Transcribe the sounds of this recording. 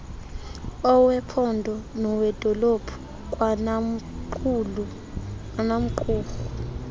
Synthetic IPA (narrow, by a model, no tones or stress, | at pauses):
ɔwɛpʰɔndʱɔnɔwɛd̥ʱɔlopʰu̥ | k̬ʼw | lu | anam̩ǃuːɣu